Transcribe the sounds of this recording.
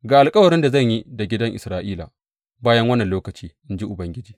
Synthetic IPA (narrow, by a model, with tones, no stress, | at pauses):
ɡaː˨ʔa˨lkʼɐ˦wɐ˨ɾɪ˦nda˨zɐ˦˨ɲji˦da˨ɡʲɪ˦dɐ˦ŋʔɪ˨sɾaː˦ʔiː˦la̰ː˨ | baː˦jɐ˦ŋwɐ˦nːɐ˨nloː˦kɐ˨t͡ʃiː˦ʔɪ˦nd͡ʒi˦ʔʊ˨bɐ˦ŋɡʲɪ˦d͡ʒiː˨